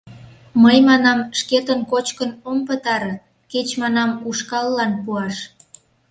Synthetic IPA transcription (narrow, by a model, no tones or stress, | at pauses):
məjmɑnɑmʃket̪ənkot͡ɕkənompət̪ɑɾ | ket͡ɕmɑnɑmuʃkɑlːɑnpuɑʃ